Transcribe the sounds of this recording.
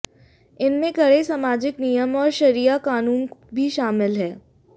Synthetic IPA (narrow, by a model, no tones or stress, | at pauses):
ɪnmẽkɐɽesaːmaːd͡ʒɪknijəmɔːɾʃɐɾijakaːnuːnbʱiʃaːmɪlɦɛː